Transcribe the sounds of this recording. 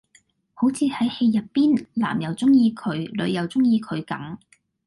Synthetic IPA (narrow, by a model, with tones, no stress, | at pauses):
ho˨˥wt͡sʰiː˨˧hɐ˨˥jhe˧jːɐ˨t̚piː˥nla̰ː˨˩mjɐ˨˩wt͡sʊ˥ŋjiː˧kʰɵ˨˧˥ɥlɵ˨˧ɥjɐ˨wt͡sʊ˥ŋjiː˧kʰɵ˨˧ɥkɐ̰˨˥ŋ